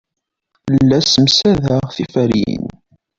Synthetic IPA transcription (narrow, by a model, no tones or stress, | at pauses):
lːæsəmsæðæʁθifæɾjḭn